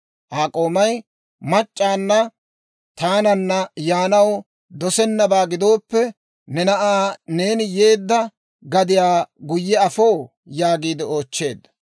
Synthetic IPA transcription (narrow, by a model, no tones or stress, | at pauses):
ʔaːkʼoːmɐj | mɐt͡ʃʼːaːnːɐ | t̪aːnɐnːɐjaːnɐw | d̪ɔsɛnːɐbaːɡɪd̪o̞ːpːɛ | nɛnɐʔaːne̞ːnɪje̞ːd̪ːɐ | ɡɐd̪ɪjaːɡʊjːɛɐfoː | jaːɡiːd̪ɪo̞ːt͡ʃːe̞̰ːd̪ːɐ̥